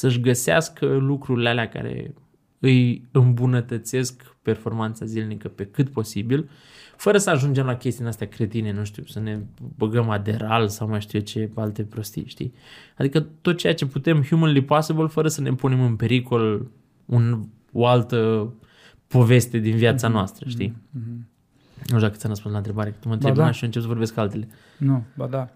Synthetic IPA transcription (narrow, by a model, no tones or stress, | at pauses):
səʃ̬ɡəsea̰skʰəlukɾuɾilealeaka̰ɾḛ | ɨjɨmbunət̪ət̪se̞sk | pe̞rfo̞rmant̪sazilnikəpe̞kɨt̪po̞sibil | fəɾəsəaʒund͡ʒe̞mlakʲest̪inast̪eakɾe̞t̪ine̞nuʃt̪ḭusəne̞bəɡəmad̪e̞ɾalsawmajʃt̪it͡ʃe̞alt̪e̞pɾo̞st̪ḭʃt̪ḭad̪ikət̪ot̪̚t͡ʃe̞jat͡ʃe̞put̪e̞mhjumənlipasibəlfəɾəsəne̞punemɨnpe̞ɾiko̞l | un | oalt̪ə | po̞ve̞st̪e̞d̪inviat̪sanoast̪ɾəʃt̪i | nod̪akət̪sʲanrəs̬pũnslaɨnt̪ɾe̞baɾekɨt̪umənt̪eb̪naʃɨnt͡ʃepsəvo̞ɾbeskualt̪e̞le̞ | nobad̪a